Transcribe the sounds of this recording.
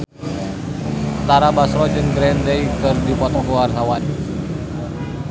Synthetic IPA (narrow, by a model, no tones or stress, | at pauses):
t̪aɾabasɾɔd͡ʒɨŋɡɾɛndejkɨrdipɔt̪ɔɡɔarɦawan